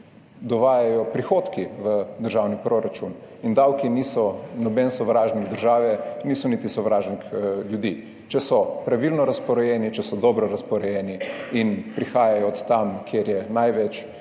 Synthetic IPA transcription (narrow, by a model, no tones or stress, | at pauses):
d̪ɔʋaːjajɔpɾixot̪kiʋəd̪əɾʒawnipɾoɾat͡ʃun | ind̪awkiniːsɔnɔbɛnsɔʋɾaːʒniɡd̪əɾʒaːʋɛniːsɔnit̪isɔʋɾaːʒnkljud̪i | t͡ʃɛsɔpɾaʋilnɔɾaspɔɾɔjɛːnit͡ʃɛsɔd̪ɔːbɾɔɾaspɔɾɛjɛniinpɾixaːjajɔːt̪ːamkʰjeɾjɛnajʋɛt͡ʃ